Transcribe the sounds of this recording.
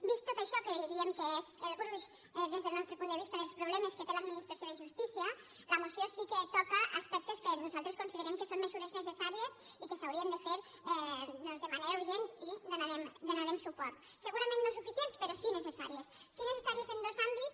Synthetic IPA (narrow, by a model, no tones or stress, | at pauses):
bist̪ːot̪aʃɔkəðiɾiemkeeselɣuɾus | ɛðezðelˠnɔst̪ɾepunəβist̪aðelˠspɾuβlɛmesket̪elad̪minist̪ɾasjoðeʒust̪isia | ləmosjosiket̪ɔkaʔaspɛk̚t̪eskenuzalˠt̪ɾeskonsiðeɾemkəsomːezuɾeznesesaɾiesikesawɾiend̪efeɾ | ɛd̪ɔnzðemaneɾauɾʒent̪iðonaɾemd̪onaɾemsupɔɾt̪ | seɣuɾamẽnːnosufisjenspeɾosinesesaɾiesːinesesaɾiesend̪ozambits